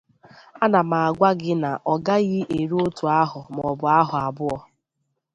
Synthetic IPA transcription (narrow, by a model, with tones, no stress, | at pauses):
a˦na˨ma˨a˨ɡʷa˦ɡɪ˦na˨ʔɔ˨ɡa˦ɣɪ˦ʔe˨ɾo˦tu˨a˦ɦʊ˨m˨ɔ˨bʊ˨a˦ɦʊ˨a˨bʊ˦ɔ˦